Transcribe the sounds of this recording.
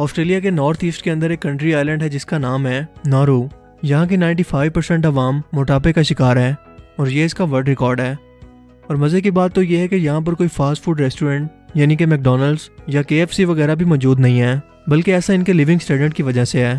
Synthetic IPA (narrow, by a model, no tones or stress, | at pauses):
ɔːsʈɾeːlijak̬enɔːɾt̪ʰiːsʈkeɐ̃nd̪əɾeːkːɐ̃ɳʈɾiaːɪlə̃ɳɖɦɛd͡ʒɪskanaːmɦɛːnaːɾuː | jɐɦãk̬enaːɪ̃ɳʈifʰaːɪʋpɐɾsɛ̃ɳʈɐʋaːmːoːʈaːp̬ekaʃɪkaːɾɦɛː | ɔːɾjeɪskaʋɐɾɖɾɪkɔːɾɖɦɛː | ɔːɾmɐzekibaːt̪ːojeɦɛkejɐɦãp̬ɐɾkoːifʰaːsʈfʰuːɖɾɛsʈuːɾɛ̃ɳʈ̚jaːnik̬emɛk̚ɖɔːnəlzjakeːɛfsiʋɐɣɛːɾabʱimɔːd͡ʒuːd̪nɐɦĩɦɛː | bɐlkeɛːsaɪnkeliːʋɪ̃ŋɡsʈeːɖə̃ʈkiʋɐd͡ʒaɦseɦɛː